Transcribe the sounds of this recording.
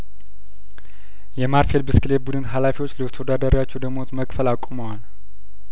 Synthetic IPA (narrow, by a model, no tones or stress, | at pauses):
jɛmaɾfe̞lbɨskʼɨlebud̪ɨnd̪ɦalafiwot͡ʃːləwt̪ʰəwod̪ad̪əɾiwat͡ʃːɛwd̪əmot̪məkʼfəlakʷʼuməwal